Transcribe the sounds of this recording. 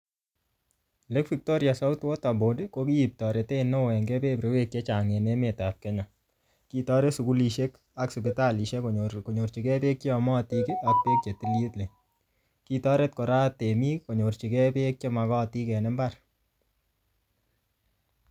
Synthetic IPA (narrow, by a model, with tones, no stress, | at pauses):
le˦kfi˨k̚to˦ɾja˨sɔ˦u˦two˦ta˨bo˨de˦ko˦ki˦i˨p̚tɔ˨ɾe˨te˦no˦wɛ˨ŋɡɛ˦pe˦pɾe˨˦we˦kje˦t͡ʃa˨ŋe˨ne˦me˨tap̚kɛ˦ɲa˨ | ki˦tɔ˦ɾe˦su˨ku˦li˨ʃe˦k | a˦ksu˨bi˨ta˦li˨ʃe˦kko˨ɲo˨rt͡ʃi˨kɛ˦pe˦k̚t͡ʃi˦ɔ˨mɔ˦˨ti˧ke˦a˦k̚pe˦k̚t͡ʃe˨ti˨lji˦tle˨ | kitɔ˦ɾe˦t̚ko˨ɾa˦te˨mi˦ko˨ɲo˨rt͡ʃi˨kɛ˦pe˦k̚t͡ʃɔ˦ma˨kɔ˦˨ti˦kɛ˨ne˦mba˦r